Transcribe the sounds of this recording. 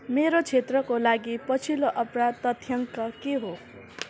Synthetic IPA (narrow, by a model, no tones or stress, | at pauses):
meɾot͡sʰet̪rʌkolaɡipʌt͡sʰiloʔʌpɾad̪t̪ʌt̪ʰjʌŋkʌkeɦo